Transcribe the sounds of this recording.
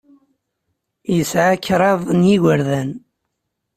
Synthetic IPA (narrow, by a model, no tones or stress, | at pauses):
jəsʕaçɾˤɑðˤnjiɣəɾðæn